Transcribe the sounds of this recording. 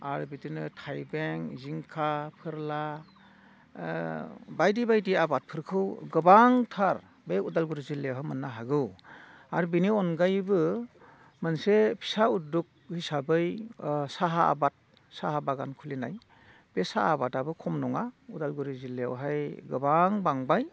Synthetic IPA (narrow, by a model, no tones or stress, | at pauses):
a̰ɾbitinɯtʰajbeŋziŋkʰapʰɯɾla | bajdibajdiabat̚pʰɯɾkʰɯwɡɯbaŋtʰaɾ | beudalɡuɾizilːewɦamɯnːaɦaɡɯw | aɾbiniɔnɡajbɯ | mɯnsepʰi̥sauduk̚hisabɯjsaɦaa̰bat̚ | saɦabaɡankʰulina̰j | b̥esaabatabɯkʰɔmnɔŋaudalɡuɾizilːḛwɦajɡɯbaŋbaŋbaj